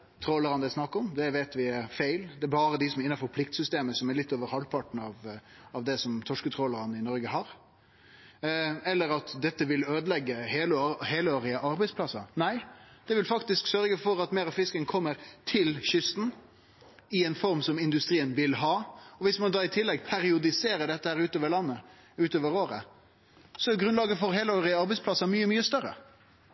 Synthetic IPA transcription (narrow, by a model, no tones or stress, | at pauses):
t̪ʰɾoːləɾɑnd̪əsnɑkːəɔmd̪ɛʋeɪt̪ʋɪæɾfæɪld̪ɛæɾbɑːɾəd̪ɪsɔmɛɾɪnːɑfɔɾpʰlɪk̚t̪sʏst̪eːməsɔmæɾlɪt̪ːoːʋəɾhɑlpʰɑʈn̩ɑʋɑʋd̪ɛsɔmt̪ʰɔʂkət̪ʰɾoːləɾɑnəɪnɔɾɡəɦɑɾ | ɛlːəɾɑt̪d̪ɛt̪ːəʋɪløːd̪əlɛɡːəheːləheːləoːɾɪəʔɑɾbɛɪspʰlɑsːɑnæɪd̪̥ɛʋɪlfɑkt̪ɪsksœɾɡəfɔɾɑt̪meːɾɑfɪskəŋkʰɔmːəɾt̪ʰɪlɕʏst̪n̩ | ɪɛnfɔɾmsɔmɪnd̪ʉst̪ɾiːənʋɪlɦɑːɔʋɪsmɑnd̪ɑːɪt̪ʰɪlːɛɡpʰæɾɪʊd̪ɪseːɾəɾd̪ɖ̪ɛt̪ːəhæːɾʉːt̪oːʋəɾlɑnːə | ʉːt̪oːʋəɾoːɾə̰ | sɔɛɡɾʉnɑːɡəfɔɾheːləoːʁɪəɑɾbɛɪspʰlɑsɑmyːəmyːəst̪œɾə̰